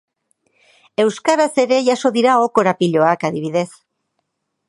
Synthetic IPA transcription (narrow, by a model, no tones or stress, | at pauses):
e̞wskaɾase̞ɾe̞ʝaso̞ðiɾao̞ko̞ɾapiʎo̞akaðiβ̞iðe̞s